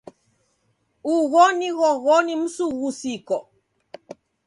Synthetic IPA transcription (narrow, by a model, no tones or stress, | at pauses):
uɣɔniɣɔɣɔnim̩suɣusikɔ